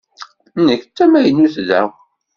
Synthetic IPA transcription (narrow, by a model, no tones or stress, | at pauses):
nəçt͡sːæmæjənːuθðæ̰w